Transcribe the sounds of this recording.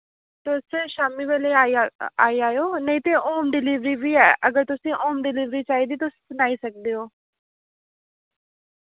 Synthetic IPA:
t̪ʊsʃaːmiːʋeːleːaa̰ːiaːjoːnəĩːt̪eːʔoːmɖɪliːʋɾiːʋiːɛːʔəɡəɾt̪ʊsĩːʔoːmɖɪliːʋɾiːt͡ʃaːiːd̪iːt̪ʊssənaːiːsək̚d̪eːɦoː

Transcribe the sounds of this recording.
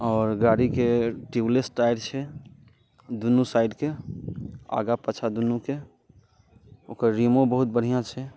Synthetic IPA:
ɔːɾɡaɽikeʈiwlesʈaɪɽt͡ʃʰɛ | d̪unusaɪɖke | a̰ːɡapət͡ʃʰad̪unuke | oːkəɾɾimõbəɦut̪̚bəɽ̤ijãt͡ʃʰɛ

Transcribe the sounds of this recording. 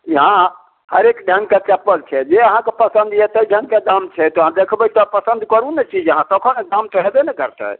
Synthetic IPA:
ɦã | ɦəɾekɖʱãŋɡ̚ket͡ʃɛpːəlt͡ʃʰɛd͡ʒeəɦãkepəsə̃nd̪jɛt̪əɖʱə̃ŋɡ̚ked̪amt͡ʃʰɛt̪ɔɦãd̪ekʰbət̪ɔpəsənd̪ʱkəɾunɛt͡ʃid͡ʒəɦãsɔkʰəned̪amt̪ɔɦɛd̪ɛnɛkəɾt̪ɛ̰

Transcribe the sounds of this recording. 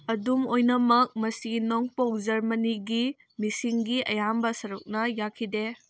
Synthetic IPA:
ɐdumojnɐmɐk̚mɐsinoŋpɐwd͡ʒɐɾmɐniɡi | misiŋɡiʔɐjambɐsɐɾuk̚nɐjakʰide

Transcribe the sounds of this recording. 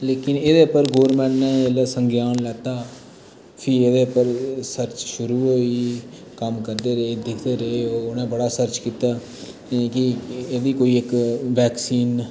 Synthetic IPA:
leːkɪneːd̪eːpəɾɡoːəɾmɛ̃ːɳʈnẽːleːsəŋɡjaːnlɛːt̪aː | pʰɪeːd̪eːpəɾsəɾt͡ʃʃʊɾuːɦoːiː | kəmkəɾd̪eːɾəeːd̪ɪkʰd̪eːɾəeɦoːʊnẽːbəɽaːsəɾt͡ʃkiːt̪aː | kɪeːd̪iːkoːiːɪkʋɛːksiːn

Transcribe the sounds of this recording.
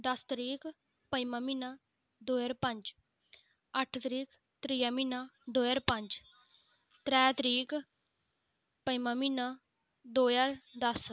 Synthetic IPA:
d̪əst̪əɾiːk | pəjmãminaː | d̪oːjəɾpə̃ɲd͡ʒ | əʈʰt̪ɾiːk | t̪ɾijãːminad̪oːjaɾpə̃ɲd͡ʒ | t̪ɾɛːt̪ɾiːk | pəjmãːminaː | d̪oːjaɾd̪əs

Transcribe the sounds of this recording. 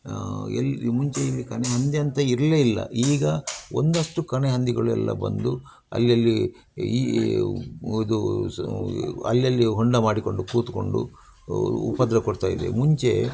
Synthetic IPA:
ɛlmuɲt͡ʃeilːikɐneɦɐnd̪iɐnt̪ɐiɾɐleilːɐ̰ʔiːɡɐo̞nd̪ɐʂʈukɐneɦɐnd̪iɡɐɭuɛ̰lːɐ̰bɐ̰nd̪u | ɐ̰lːjɐlːi | id̪u | ɐlːjɐlːiɦoɳɖɐmaːɽiko̞ɳɖukuːt̪uko̞̰ɳɖṵ | upːɐd̪ɾɐkoɽt̪aːjid̪e̞̰muɲt͡ʃe̞

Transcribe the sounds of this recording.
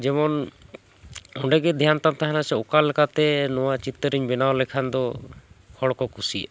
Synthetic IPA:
d͡ʒɛmɔn | ɔɳɖɛɡɛd̪ʱjant̪amt̪aɦanasɛɔkalɛkat̪ɛnɔwat͡ʃit̪əɾiɲbɛnawlɛkʰand̪ɔkʰɔɽkɔkʰusi

